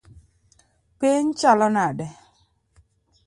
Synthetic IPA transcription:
peɲ̩t͡ʃalɔnadɛ

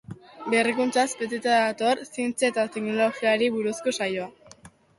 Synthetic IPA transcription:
berikunt͡saspet̪et̪aðat̪o̞ɾsient͡seet̪at̪ekno̞lo̞ɣiaɾiβuɾuskosajoa

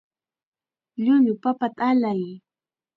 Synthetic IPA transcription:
ʎʊɲʊpapat̪aalaj

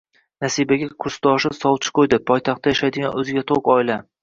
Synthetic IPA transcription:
nasibaɡʲakʰʊɾst̪ɒʃɪsɒwˠt͡ʃʰɪ̥qʰojd̪ɪpʰɒjt̪ʰɑq̚t̪ʰːajaʃajd̪ɪɡʲanɵzɪɡʲat̪ʰoqɒɪla

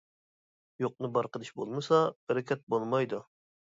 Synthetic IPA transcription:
joq̚nɨbɑɾqəd̪ɨʃbolˠmɨsɑhɛɾɪkʲʰɛt̪̚bolˠmɑjd̪u

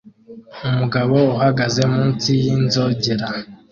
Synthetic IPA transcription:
umuɡaβouɦaɡaze̞muːnt͡sijinzo̞ɟeɾa

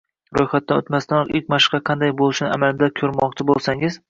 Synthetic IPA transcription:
ɾojχat̪̚ːano̰t̪mast̪ʰanɒqɪkʲmaʃqɑqʰɑnd̪ajbolˠɪʃnɪa̰malɪd̪akʲʰɵɾmɒq̚t͡ʃʰabolˠsaŋɪz̥

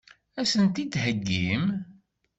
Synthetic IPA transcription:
æsənt̪id̪həɡːim

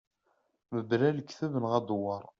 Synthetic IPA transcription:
məbɾæləkːθævənʁæd̪wəɾˤ

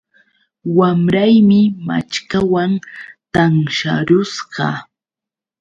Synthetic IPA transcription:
wamɾajmɪma̰t͡ʃkawant̪aŋʃa̰ɾʊsɢɑ̰

